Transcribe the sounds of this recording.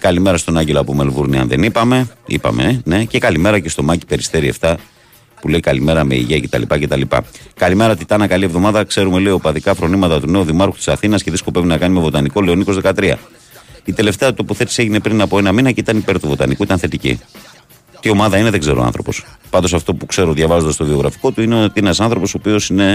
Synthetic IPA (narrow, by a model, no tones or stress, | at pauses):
kɐlime̞ɾɐst̪o̞nɐɲɟeloɐpumelvuɾniɐ̰nðḛnipɐme̞ḭpɐ̰me̞̰ne̞ce̞kɐlime̞ɾɐce̞st̪o̞mɐci̥pe̞ɾist̪e̞ɾiḛft̪ɐ | pule̞ikɐlime̞ɾɐme̞̰ḭʝece̞t̪ɐ̰lipɐce̞t̪ɐlipɐ̰kɐlime̞ɾɐot̪it̪ɐnɐkɐlievðo̞mɐðɐkse̞ɾume̞le̞iopɐðikɐfɾo̞nimɐt̪ɐt̪une̞uðimɐɾkut̪i̥sɐθinɐsceðisko̞pe̞vinɐkɐnime̞vo̞t̪ɐniko̞leo̞niko̞zðekɐt̪ɾiɐ̰ | it̪e̞le̞ft̪e̞ɐt̪opuθet̪ise̞ʝine̞pɾinɐpo̞enɐminɐceit̪ɐnipe̞ɾt̪uvo̞t̪ɐ̰nikuit̪ɐnθe̞t̪icḭ | t̪io̞mɐðɐineðeɡze̞ɾoɐ̰nθɾo̞po̞̰spɐnd̪o̞sɐft̪o̞pukse̞ɾo̞ðʝɐvɐzond̪ɐst̪o̞vio̞ɣɾɐfi̥ko̞t̪uineot̪ienɐsɐnθɾo̞po̞so̞pio̞sine